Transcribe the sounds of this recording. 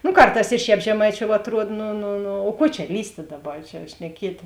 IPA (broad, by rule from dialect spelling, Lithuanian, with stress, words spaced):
nʊ ˈkɐrˌtɑːs ɪ ˈʃʲɛːp ʒʲɛˈmɐɪˌt͡ʃʲoːʊ ɐtˈruɔt nʊ nʊ nʊ oː ˈkuɔ t͡ʃʲɛ ˈlʲiːsʲtʲeː ˈdɑːˌbɐ ˈt͡ʃʲɛ ʃʲnʲɛˈkʲiɛtʲeː